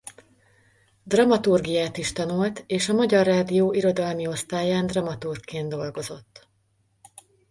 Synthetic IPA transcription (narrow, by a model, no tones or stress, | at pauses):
d̪rɒmɒt̪urɡijaːt̪iʃt̪ɒnult̪eːʃɒmɒɟɒrːaːd̪ijoːʔiɾo̞d̪ɒlmio̞st̪aːjaːnd̪rɒmɒt̪urkkːeːnd̪o̞lɡo̞zo̞t̪ː